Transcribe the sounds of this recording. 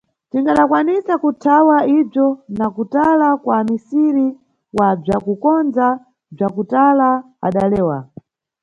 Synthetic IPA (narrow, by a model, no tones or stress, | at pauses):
tiŋɡaɗakwanisakutʰawaib͡ʐɔnakutalakwamisiɾi | wab͡ʐakukɔnd͡za | b͡ʐakutala | a̰ɗalɛːwa̰